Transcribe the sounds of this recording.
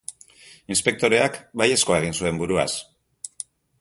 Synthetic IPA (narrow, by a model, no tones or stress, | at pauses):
inspe̞k̚t̪o̞ɾe̞akbaje̞sko̞ae̞ɣ̞insue̞mbuɾua̰s